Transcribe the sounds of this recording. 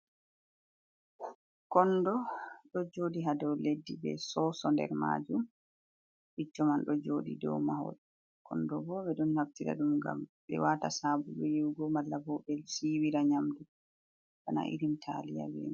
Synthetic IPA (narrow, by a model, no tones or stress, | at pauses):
kɔndɔɗɔd͡ʒoːdiɦadɔwledːibɛ̰sɔsɔndɛ̰ɾma̰d͡ʒum | ʔit͡ʃːɔmanɗɔd͡ʒoːdḭdɔ̰wmahɔ̰d | kʰɔndɔbɔɓɛɗɔnhaftiɾa̰ɗumɡa̰mɓɛ̰watasabuɗɔjiwɡɔmalːabɔbɛlsiwiɾaɲamdu | kana̰ʔḭɾimtʰalija̰wḭn